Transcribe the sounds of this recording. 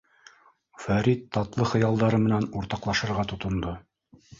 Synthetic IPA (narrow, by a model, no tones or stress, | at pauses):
fæɾit̪ːɑt̪lˠɤχɤ̆jɑlˠd̪ɑɾɤmɘ̆nænuɾt̪ɑqlˠɑʃɤ̆ɾʁɑt̪ŏt̪ŏnd̪o